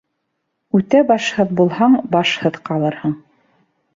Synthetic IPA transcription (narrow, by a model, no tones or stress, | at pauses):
ʉt̪æbɑʃhɤðbulˠhɑɴbɑʃhɤðqɑlˠɤɾhɤɴ